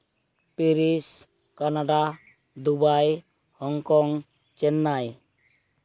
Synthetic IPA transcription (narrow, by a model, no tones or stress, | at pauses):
piɾis | kanaɖa | d̪ubaj | hɔŋkɔŋ | t͡ʃɛnːaj